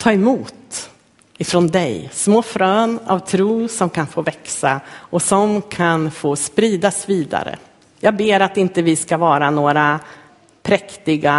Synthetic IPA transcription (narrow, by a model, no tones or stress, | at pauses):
t̪ʰɑːɛmuːt̪ | ɪfɾɔnd̪ɛjsmoːfɾøːna̰vt̪ʰɾuːsɔmkʰanfoːvɛksaɔsɔmkʰanfoːspɾiːd̪asviːd̪a̰ɾə̰ | jɑːɡ̚beːɾat̪ɪnt̪əvɪskavɑːɾanoːɾa | pʰɾɛkt̪ɪɡa